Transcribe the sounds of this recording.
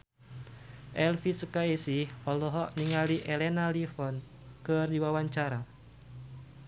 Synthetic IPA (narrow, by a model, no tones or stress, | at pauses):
ʔɛlfisəkaisihɔlɔɦɔʔniŋaliʔɛlɛnalifɔn | kɨrdiwawaɲt͡ʃaɾa